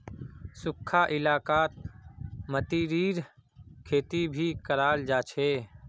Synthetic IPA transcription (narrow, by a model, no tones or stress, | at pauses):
sʊkʰːaʔɪlaːkaːt̪̚ | mət̪iɾiːɾkʰeːt̪ibʱikəɾaːld͡ʒaːt͡ʃʰeː